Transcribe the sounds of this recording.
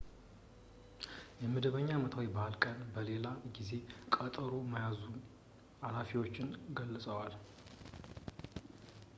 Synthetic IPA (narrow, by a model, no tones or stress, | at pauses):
jɛmɨd̪əβəɲːaːmət̪ʰawibaalkʼənbəle̞laɡize̞kʼət̪ʼəɾomajazu | alafiwo̞t͡ʃːɪnɡəlːsʼəwal